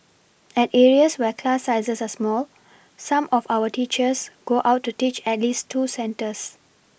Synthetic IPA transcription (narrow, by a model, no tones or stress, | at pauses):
ɛteːɹiəswɛkʰlasaɪzəsasmɔːl | sãmʔɔfaʊətiːt͡ʃəsɡ̥oːʔaʊtːutiːt͡ʃɛtliːstʰːuːsɛ̃ntəs